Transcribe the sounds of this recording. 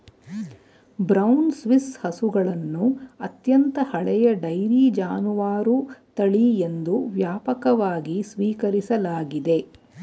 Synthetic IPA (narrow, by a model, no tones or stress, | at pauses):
bɾɐwnsʋishɐsuɡɐɭɐnːuɐt̪jɐnt̪ɐhɐɭɛjɐɖɐjɾiːd͡ʒaːnuʋaːɾut̪ɐɭiend̪uʋjaːpɐkɐʋaːɡisʋiːkɐɾisɐlaːɡid̪e̞